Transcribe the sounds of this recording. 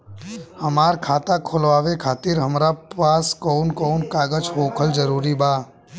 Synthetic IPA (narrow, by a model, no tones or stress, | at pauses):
həmaːɾkʰaːt̪ãkʰoːlʋaːʋekʰaːt̪iɾɦəmɾapaːskoːnkonkaːɡəd͡ʒɦoːkʰəld͡ʒəɾuːɾibaː